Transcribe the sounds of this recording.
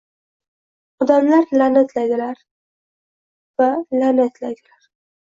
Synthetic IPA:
ɒd̪amlaɾlanet̪ʰlajd̪ɪlaɾ | valanet̪lajd̪ɪlaɾ

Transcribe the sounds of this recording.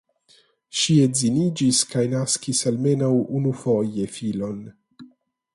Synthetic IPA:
ʃiezinid͡ʒiskajnaskisalme̞nawunufo̞je̞filo̞n

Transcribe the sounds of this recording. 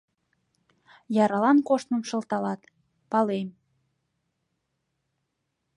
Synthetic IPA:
jɑɾɑlɑnkoʃt̪nəmʃə̆lt̪ɑlɑt̪ | pɑlem

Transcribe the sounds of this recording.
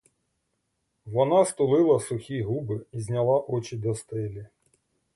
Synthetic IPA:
ʋɔnɑst̪ʊlˠɪlˠɐsʊxʲiɦubɪizʲnʲɐlˠɑʔɔt͡ʃid̪ɔst̪ɪlʲi

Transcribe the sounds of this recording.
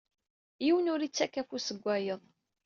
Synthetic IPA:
jiwənʊɾit͡sːækːæfusəɡʷːæjəðˤ

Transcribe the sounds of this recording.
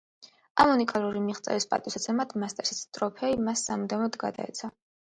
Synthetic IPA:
amunikʼalˠuɾimiχt̪sʼɛ̰vispʼa̰t̪ʼisat̪sʰɛmad̪ʰmast̪ʼɛsi̥st̪ʼɾɔpʰɛimasːamud̪ɛvnɔd̪ɡa̰d̪a̰ɛ̰t̪sʰa

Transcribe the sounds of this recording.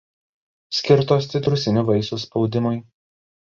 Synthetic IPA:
sʲkʲɪɾt̪oːs̬t̪ʲɪt̪ɾʊsʲɪnʲuʋɐɪsuspɒʊd̪ʲɪmʊɪ

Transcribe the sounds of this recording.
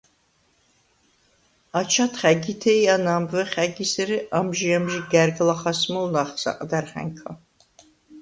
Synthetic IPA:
at͡ʃʰat̪ʰχæɡit̪ʰɛjanambvɛχæɡisɛɾiʔamʒiamʒiɡæɾɡlaχasmɔlnaχsa̰qʼd̪æɾχæ̰ŋkʰa̰

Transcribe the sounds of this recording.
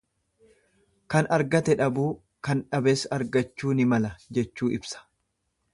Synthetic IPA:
kɐnɐɾɡɐt̪ɛᶑɐbuː | kɐnᶑɐbeːsɐɾɡɐt͡ʃːuːnɪmɐlɐd͡ʒɛt͡ʃːuːɪbsɐ̥

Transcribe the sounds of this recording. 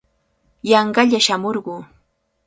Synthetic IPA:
jɑɴɢɑʎaʃamoɾɢuː

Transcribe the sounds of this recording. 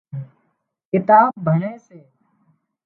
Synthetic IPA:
kɪt̪aːbʱəɳeːseː

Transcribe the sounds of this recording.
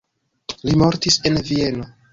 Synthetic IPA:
limo̞ɾtise̞nvie̞no̞

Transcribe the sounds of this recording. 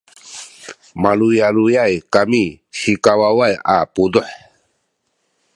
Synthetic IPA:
malujalujajkamisikawawaja̰pudɔħ

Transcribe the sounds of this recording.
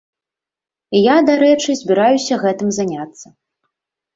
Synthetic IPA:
ijad̪aɾɛt͡ʂɨzʲbʲiɾajusʲɐɣɛt̪ɨmzanʲat̪sːɐ

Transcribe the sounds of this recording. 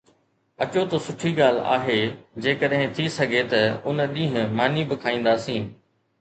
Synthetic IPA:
ɐt͡ɕot̪osʊʈʰiɠaːl̤a̰ːɦeːd͡ʑeːkəɗɦɪ̃t̪ʰisɐɡʱet̪ɐʊnɗĩːɦɪ̃maːnibɪkʰaːĩːn̆d̪aːsĩː

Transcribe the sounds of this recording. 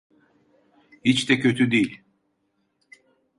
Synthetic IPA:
hit͡ʃd̪ɛcʰøt̪ʰyd̪ejilʲ

